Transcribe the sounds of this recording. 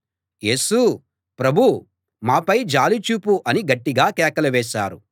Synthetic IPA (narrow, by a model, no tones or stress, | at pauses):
je̞ːsu | pɾɐbʱu | maːpɐjd͡ʒaːlit͡ʃuːpuʔɐniɡɐʈːiɡaːkɛːkɐlɐʋɛːʃaːɾu